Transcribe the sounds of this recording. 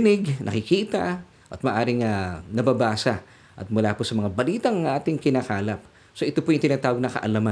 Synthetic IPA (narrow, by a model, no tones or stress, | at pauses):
nɪɡnʔɐ̰kɪkiːt̪ɐ | ʔɐt̪̚mɐʔaːɾɪŋɐnɐbabaːsɐ | ʔɐ̰t̪̚mʊlaːposɐmɐŋabɐliːt̪ɐŋɐŋʔaːt̪ɪŋkɪnaːkaːlɐp̚ | soʔɪt̪opojʊŋt̪ɪnaːt̪aːwɡ̚nɐkɐ̰ʔɐlama